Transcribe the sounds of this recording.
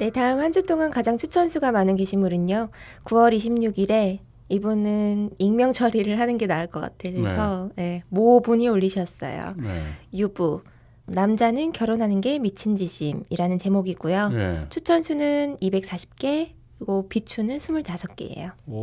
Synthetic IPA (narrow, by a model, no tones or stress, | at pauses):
ne̞taɯmhand͡ʑʰut͈oŋankad͡ʑaŋt͡ɕʰut͡ɕʰʌnsʰuɡamanɯnke̞ɕʰimɯɾɯɲo | kuwʌɾiɕʰimɲuɡiɾe̞ | ibunɯniŋmjʌŋt͡ɕʰʌɾiɾɯɭɦanɯnɡe̞naɭk͈ʌk͈a̰tʰe̞ɾesʰʌje̞mobuɲioʎːiɕʰʌs͈ʌ̰jo̰jubu | namd͡ʑanɯnkjʌɾonɦanɯnɡe̞mit͡ɕʰind͡ʑiɕʰimḭɾanɯnt͡ɕe̞moɡiɡ͈ujot͡ɕʰut͡ɕʰʌnsʰunɯnibe̞k̚s͈aɕʰi̥p̚k͈e̞kɾiɡopit͡ɕʰunɯnsʰumuɭtasʰʌk̚k͈ḛḛjo